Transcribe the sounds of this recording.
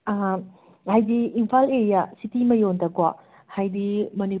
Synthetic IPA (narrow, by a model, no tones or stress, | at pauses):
hajdiːmpʰaleɾijasitimɐjontɐɡwa | hajdimɐni